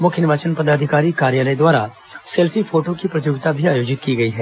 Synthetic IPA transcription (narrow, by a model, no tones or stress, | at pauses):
mʊkʰjənɪʋaːt͡ʃənpɐd̪aːd̪ʱɪkaːɾikaːɾjaːləed̪waːɾa | sɛlpʰifʰoːʈokipɾɐt̪̬juːɡt̪abʱiaːjoːd͡ʒɪt̪̚kiɡɐiɦɛː